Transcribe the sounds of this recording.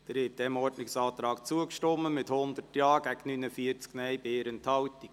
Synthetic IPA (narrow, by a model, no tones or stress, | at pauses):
d̥əɾɪt̚d̥̪ɛmɔdnɪksɑːt̪ɾɑːkt͡suəkʃtɔmːəmɪthʊnd̪ərtjɑːɡ̥æɡnynəfiəɾt͡sknɛjbeːɾənthɑwtiɡ̥